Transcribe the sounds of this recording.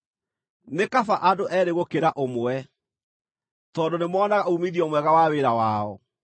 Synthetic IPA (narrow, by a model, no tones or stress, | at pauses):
nekafaʔadoʔɛɾeɣokeɾaʔomwɛ | tɔndonemwɔːnaɣaumiðiɔmwɛɣawaweɾawaɔ